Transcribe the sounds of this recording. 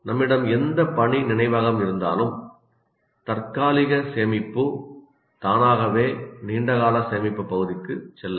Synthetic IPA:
nɐmːɪɽɐmɛnd̪ɐpɐɳinɪnɐɪʋaːɣɐmɪɾɯnd̪a̰ːlɯm | t̪ɐrkaːlɪɣɐseːmɪpːɯ | t̪aːnaːɣɐʋeːniːɳɖɐɣaːlɐseːmɪpːɐpːɐɣɯðɪkːɯt͡ʃːɛlːɐ

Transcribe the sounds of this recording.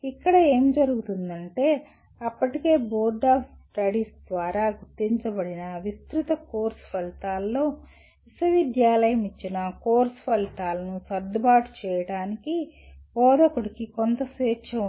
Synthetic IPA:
ikːɐɽɐe̞ːmd͡ʒɐɾuɡut̪und̪ɐɳʈe̞ː | ɐpːɐʈike̞ːboːɾɖaːfsʈɐɽiːsd̪ʋaːɾaːɡuɾt̪ːiɲt͡ʃɐbɐɽinɐʋist̪ɾut̪ɐkoːɾspʰɐlit̪aːlːo̞ː | ʋisɐʋid̪jaːlɐjɐmit͡ʃːinɐkoːɾspʰɐlit̪aːlɐnusɐɾd̪baːʈu̥t͡ʃɛːjɐɽaːniki | pɔːd̪ɐkuɽikikont̪ɐsʋeːkʃɐ

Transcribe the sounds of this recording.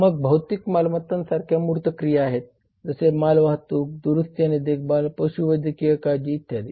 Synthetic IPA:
məɡ̚bʱəwt̪ikmalmət̪ːansaɾkʰjamuɾt̪əkɾijaːɦet̪̚ | d͡zəsemalʋaɦt̪uːk̚d̪uɾust̪janid̪ek̚ʰbalpəɕuʋəd̪jəkijəkad͡ʑiːt̪jad̪i

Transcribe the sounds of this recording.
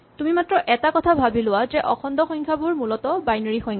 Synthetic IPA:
tumimatɹɔʔɛtakɔtʰabʱabilʊwazɛʔɔkʰɔndɔxɔŋkʰjabʊɹmulɔtɔbajnoɹixɔjŋkʰ

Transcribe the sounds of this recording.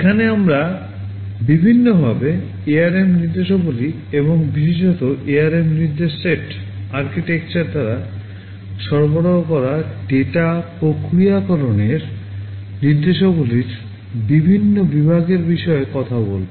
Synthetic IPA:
ekʰaneamɾa | bibʱinːobʱabe | eaɾemniɾd̪eʃoboli | eβoŋbiʃed͡ʑɔt̪oʔeaɾemniɾd̪eʃːeʈ | aɾkiʈek̚t͡ɕaɾd̪aɾa | ʃɔɾboɽoɦokɔɾaɖeʈapokɾiakɔɾoneɾ | niɾd̪eʃoboliɾ | bibʱinːobibʱaɡeɾbiʃɔekɔt̪ʰabolbo

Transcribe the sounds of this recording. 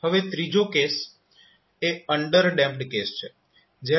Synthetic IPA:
həʋet̪ɾid͡ʒokes | eəɳɖəɾɖɛ̃mpɖkest͡ʃʰe | d͡ʒe

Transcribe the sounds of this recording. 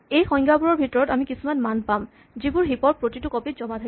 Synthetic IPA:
ejxɔŋɡabuɹɔɹbʱitɔɹɔtamikisumanmanpam | zibuɹɦipɔɹ̚pɹotitʊkɔpitzɔmatʰa

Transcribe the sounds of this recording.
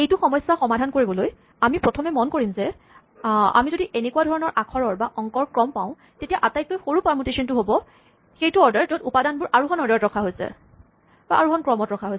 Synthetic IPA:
ejtuxɔmɔjsːaxɔmadʱankoɹibɔloj | amipɹɔtʰɔmɛmɔnkoɹimzɛ | a̰mizodiʔenekuadʱɔɹɔnɔɹʔakʰɔɹɔɹbaʔɔŋkɔɹkɹɔmpãʊ̃ | tetijaʔatajk̚lojxoɹupaɹmutesɔntʊɦobɔ | xejtuɔɹdaɹtotupadanbʊɹʔaɹuxɔnɔɹdaɹtɹɔkʰaɦojsɛ̰ | baʔaɹuxɔnkɹɔmɔtɹɔkʰaɦojs

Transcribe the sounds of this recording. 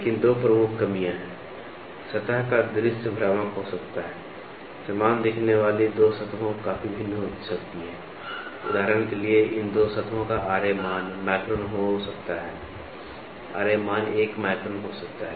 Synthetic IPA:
lekɪnd̪oːpɾəmʊkʰːɐmijãɦɛ̃ː | sɐt̪əɦkad̪ʊɾɪst̪əbʱɾaːmakɦosɐkt̪aɦɛː | sɐmaːnd̪eːkʰneʋaːlid̪oːsɐt̪ʰʋõkaːfibʱɪ̃nːɦosɐkt̪iɦɛ̃ː | ʊ̰d̪ʱaːɾəñkelieʔɪnd̪oːsət̪ʰʋõkaʔaːɾemaːnmɛːkɾoːnɦosɐkt̪aɦɛː | a̰ːɾemaːneːkmaːkɾoːnɦosɐk̚t̪aɦɛ

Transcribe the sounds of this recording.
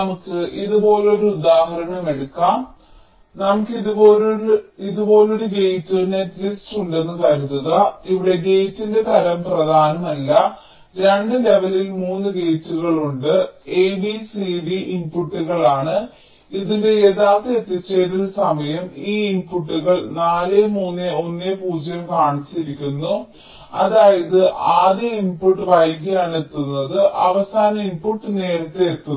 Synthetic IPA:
mukːɨʔiðubo̞ːleo̞ɾuud̪aːhɐɾɐɳɐmeɽukːaːm | nɐmukːiðuoːloiðubo̞ːluɽuɡe̞jtːune̞ʈːlisʈuɳɖe̞nːutɐɾunːɐðɐiʋiɽe̞ɡe̞jtːinde̞t̪ʰɐɾɐmprɐd̪ʱaːnɐmɐlːɐ | ɾe̞ɳɖɨle̞ʋɐlilmuːnːɨɡe̞jtːuɣɐɭuɳɖɨe̞ːbisiɖiimpuʈːuɣɐɭaːɳɨ | iðindeeðaːt̪ːeet̪ːit͡ɕːeðulsɐmɐjɐmiːimpuʈːuɣɐɭnaːlemuːnːeo̞nːeːpuːd͡ʑɐjɐmkaːɳit͡ɕːiɾikʲːunːu | ɐðaːjɐðɨʔaːðjɐimpuʈːɨʋɐjɡɐjaːɳet̪ːunːɐðɨʔɐʋɐsaːnɐimpuʈːɨne̞ːɾɐt̪ːeːt̪ːu

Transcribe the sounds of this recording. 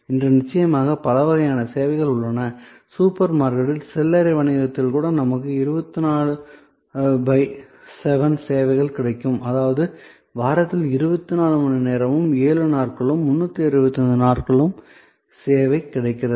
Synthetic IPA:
ɪndrɐnɪt͡ʃːɐjɐmaːɣɐpɐlɐʋɐɣɐjaːnɐseːʋɐɪɣɐɭʊɭːɐnɐ | suːpɐɾmaːɾkɐɽɪlsɛlːɐɾɐɪʋɐɳɪɣɐt̪ːɪlkuːɽɐnɐmɐkːɯɪɾɯbɐt̪ːɯnaːɭɯ | bɐɪsɛʋɐnseːʋɐɪɣɐɭkɪɽɐɪkːɯmʔɐðaːʋɐðɯ | ʋaːɾɐt̪ːɪlɪɾɯbɐt̪ːɯnaːɭɯmɐɳɯneːɾɐmɯmeːɭɯnaːrkɐɭɯmːʊnːɐt̪ːɯɪɾɯbɐt̪ːɐnd̪ɯnaːrkɐɭɯm | seːʋɐɪkːɪɽɐɪkːɪrɐðɯ

